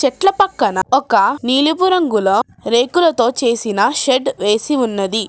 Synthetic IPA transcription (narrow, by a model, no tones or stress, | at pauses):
t͡ʃɛʈlɐpɐkːɐnɐɔkɐniːlibuɾɐŋɡulɐ | ɾeːkulɐt̪o̞ːt͡ʃe̞ːsinɐʃeɖʋe̞ːsiunːɐd̪i